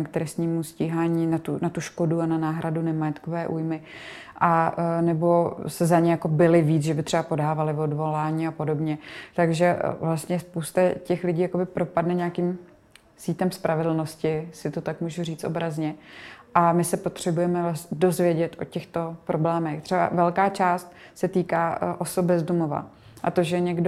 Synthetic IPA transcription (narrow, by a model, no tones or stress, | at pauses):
k̚t̪ɾɛst̪ɲiːmusciːɦaːɲiːnat̪unat̪uʃko̞duananaːɦɾadunɛmajɛt̪kovɛːʔṵjmɪ | ʔanɛbo̞sɛzaɲɛjako̞bɪlɪviːt͡sʒɛbɪt̪r̥ɛbapo̞daːvalɪvo̞dvo̞laːɲiːapo̞do̞bɲɛt̪aɡʒɛvlast̪ɲɛspowst̪acɛxlɪɟiːjako̞bɪpɾo̞padnɛɲaːkim | siːt̪ɛmspɾʔavɛdl̩no̞scɪsɪt̪o̞t̪akmuːʒuriːt͡st̪o̰bɾazɲɛʔamɪsɛpo̞t̪r̝̥ɛbujɛmɛsdo̞zvjɛɟɛt̪ʔo̞̰cɛxt̪o̞pɾo̞blɛːmɛxt̪r̥ɛba̰vɛlkaːt͡ʃaːst̪̚ | sɛt̪iːkaːʔo̞sobbɛzdumova̰ | ʔat̪o̞ʒɛɲɛɡdo